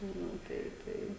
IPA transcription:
ˈnʊ ˈtɐɪ ˈtɐɪ

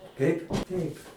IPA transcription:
ˈtʲɛɪp ˈtʲɛɪp

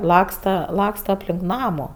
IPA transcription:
ˈlˠɑːkstɐ ˈlˠɑːkstɐ ɐpʲˈlʲɪŋk ˈnɑːmʊ

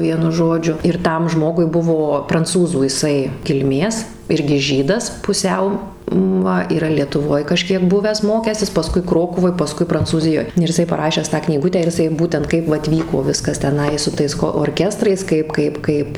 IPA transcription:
ˈʋʲiɛnʊ ˈʒoːd͡ʒʲʊ ɪr ˈtɐm ˈʒmoːɡʊɪ ˈbʊʋoː prɐnˈt͡suːzuː jɪˈsɐɪ kʲɪlʲˈmʲeːs ˈɪrʲɡʲɪ ˈʒʲiːdɐs pʊˈsʲɛʊ ˈʋɐ iːˈrɐ lʲiɛtʊˈʋoːj kɐˈʃʲkʲiɛk ˈbʊʋʲæːs ˈmoːkʲæːsʲɪs pɐˈskʊɪ ˈkroːkʊʋoːj pɐˈskʊɪ prɐnt͡suːˈzʲɪjoːj ɪr jɪˈsɐɪ pɐˈrɑːʃʲæːs tɑː knʲiːˈɡʊtʲæː ɪr ɪˈsɐɪ ˈbuːtʲɛnt ˈkɐɪp ʋɐt ˈʋʲiːkoː ˈʋʲɪskɐs tʲɛˈnɐɪ sʊ ˈtɐɪs koː oːrʲˈkʲæːstrɐɪs ˈkɐɪp ˈkɐɪp ˈkɐɪp

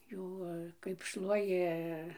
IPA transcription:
ˈjuː kɐɪp ˈʃlˠuɔjɪ

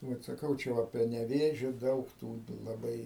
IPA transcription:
ˈbʲɛt sɐˈkɐʊ ˈt͡ʃʲɛ ʋɐ pʲrʲiɛ nʲɛˈʋʲeːʒʲoː ˈdɐʊk tuː lˠɐˈbɐɪ

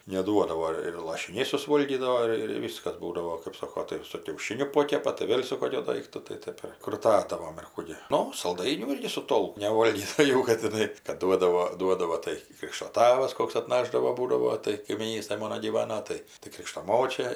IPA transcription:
nʲɛˈduɔdɐʋoː ɪr lˠɐʃʲɪˈnʲɛɪ sʊsˈʋoːlʲɡʲiːdɐʋoː ˈɪr ɪr ˈʋʲiːskɐs ˈbuːdɐʋoː kɜp ˈsoːkoː tɐɪ ɪr sʊ kʲɛʊˈʃʲɪnʲʊ ˈpoːkʲɛpɐ tɐɪ ˈʋʲeːlʲ sʊ ˈkoːkʲʊ ˈdɐɪktʊ tɐɪ ˈtɜp ɪr krʊˈtɑːdɐʋoːm ɪr ˈkuː ɡʲɪ ˈnʊ sɐlˠˈdɐɪnʲuː ˈɪrʲɡʲɪ sʊ ˈtoːlˠk nʲɛˈʋoːlʲɡʲɪs tɐɪ ˈjɛʊ ˈkɐt tʲɪˈnɐɪ kɐt ˈduɔdɐʋoː ˈduɔdɐʋoː tɐɪ ˈkrʲɪkʃtoː ˈtɑːʋɐs ˈkoːks ɐtˈnɑːʒdɐʋoː ˈbuːdɐʋoː tɐɪ kɐɪmʲiːˈnʲiːstɐj ˈmoːnoː ɡʲiːˈʋɑːnoː ˈtɐɪ tɐɪ ˈkrʲɪkʃtoː ˈmoːt͡ʃʲɛ

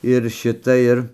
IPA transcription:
ɪr ˈʃʲɪtɐ ˈɪr

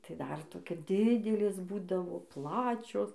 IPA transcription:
tɐɪ dɐr toːˈkʲɛ ˈdʲɪdʲɛlʲeːs ˈbuːdɐʋoː ˈplˠɑːt͡ʃʲoːs

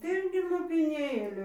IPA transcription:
ˈtʲɛn ˈɡʲɪ lˠoːpʲɪˈnʲeːlʲuː

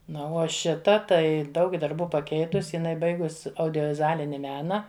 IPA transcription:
ˈnʊ oː ˈʃʲɪtɐ ˈtɐɪ ˈdɐʊk dɐrˈbuː pɐˈkʲɛɪtʊs ɪˈnɐɪ ˈbɐɪɡʊs ɐʊdʲoːʋʲɪzʊˈɑːlʲɪnʲɪ ˈmʲæːnɐ

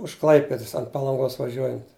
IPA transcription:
ʊʃ ˈklˠɐɪpʲɛdɐs ɐnt pɐlˠɐŋˈɡoːs ʋɐˈʒʲuɔjɛnt

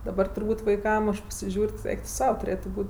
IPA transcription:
dɐˈbɐr tʊrˈbuːtʲ ʋɐɪˈkɐm ɐʃ pɐsʲɪˈʒʲuːrʲ tʲɪ ˈɛɪk tʊ ˈsɐʊ tʊˈrʲeːtʊ ˈbuːtʲ

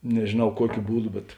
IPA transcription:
nʲɛʒʲeːˈnɐʊ ˈkuɔkʲʊ ˈbuːˌdʊ bʲɛt

